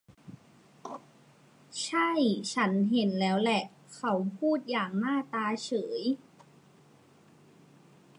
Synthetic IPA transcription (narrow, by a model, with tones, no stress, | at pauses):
t͡ɕʰa˥˩jt͡ɕʰa˦˥nɦe˨˩˦nlɛː˦˥wlɛ˨˩ʔ | kʰa˧˥wpʰuː˥˩t̪̚jaː˨˩ŋnaː˥˩t̪aː˧t͡ɕʰɤː˩˦j